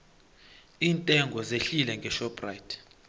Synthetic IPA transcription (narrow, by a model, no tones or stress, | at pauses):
iːntʼɛŋɡʱɔzeɬilɛŋɡʱɛʃɔpʰʼraitʰ